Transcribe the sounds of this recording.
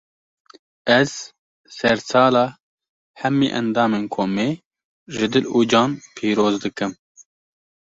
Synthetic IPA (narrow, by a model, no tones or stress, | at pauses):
ɛz̥ | sɛɾsɑːlɑː | hɛmḭːʔɛ̰nd̪ɑːmeːnkʰoːmeː | ʒɨd̪ɨluːd͡ʒɑːnpʰiːɾoːzd̪ɨkɨm